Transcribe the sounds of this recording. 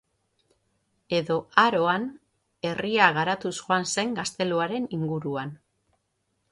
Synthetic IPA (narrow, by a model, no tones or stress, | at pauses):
e̞ðo̞aɾo̞an | e̞riaɣaɾat̪usxoanse̞ŋɡast̪e̞luaɾe̞niŋɡuɾuan